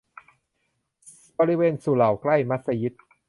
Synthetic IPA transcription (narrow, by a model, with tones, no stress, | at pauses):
bɔː˧ɾi˧weː˧nsu˨˩la˨˩wkla˥˩jma˦˥t̪̚sa˧ji˦˥t̪̚